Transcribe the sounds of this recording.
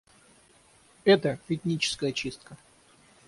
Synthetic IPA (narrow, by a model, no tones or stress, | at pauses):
ɛt̪əfʲɪt̪ʲnʲit͡ɕɪ̥skəjət͡ɕist̪̚kə